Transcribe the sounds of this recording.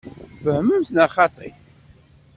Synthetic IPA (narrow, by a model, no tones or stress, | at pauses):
fəhməmθnaχɑt̪ˤḭθ